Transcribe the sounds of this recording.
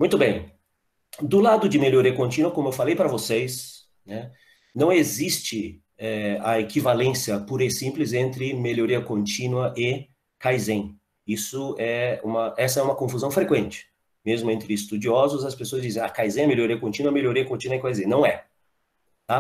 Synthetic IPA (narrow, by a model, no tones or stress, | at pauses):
mũj̃t̪ʊbẽj̃ | d̪ʊlad̪ʊd͡ʒɪmeʎoɾiɐkõnt͡ʃĩnuɐkõmʊewfalejpɾɐvosejs | nɛ | nɐ̃w̃ezist͡ʃɪ | ɛɐekivalẽsjɐpuɾejsĩmplɪzẽnt̪ɾɪmeʎoɾiɐkõnt͡ʃĩnwɐʔɪ | kajzẽj̃ | isʊɛũmɐɛsɐɛũmɐkõfuzɐ̃w̃fɾekwẽnt͡ʃɪ̥ | mezmʊẽnt̪ɾɪɪst̪ud͡ʒiɔzʊzɐspesoɐzd͡ʒizẽa̰kajzẽɛmeljoɾiɐkõnt͡ʃĩnuɐmeloɾiɐkõnt͡ʃĩnwɐɛkwkajzẽnɐ̃w̃ɛ | t̪a